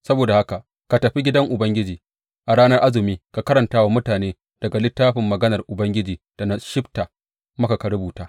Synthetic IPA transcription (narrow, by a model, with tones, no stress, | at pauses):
sɐ˦boː˨da˨ha˦ka˨ | ka˨tɐ˨ɸi˦ɡʲɪ˦dɐ˦ŋʔʊ˨bɐ˦ŋɡʲɪ˦d͡ʒiː˨ | ʔa˨ɽaː˦nɐ˦rʔa˦zɪ˨miː˦ka˨kɐ˦ɾɐ˨ntaː˦wa˦mʊ˦taː˨neː˦ | d̥ɐ˨ɡa˨lɪ˦tːaː˦ɸɪ˨mːɐ˨ɡɐ˦nɐ˨rʔʊ˨bɐ˦ŋɡʲɪ˦d͡ʒiː˨ | d̥a˨na˦˨ʃɪ˦bta˨ | mɐ˦ka˨ka˨ɾʊ˦buː˨taː˦